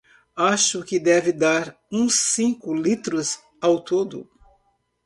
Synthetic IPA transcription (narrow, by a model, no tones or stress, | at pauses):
aʃʊkɪd̪ɛvɪd̪aɾ | ũsĩkʊlit̪ɾʊz | awt̪od̪ʊ̰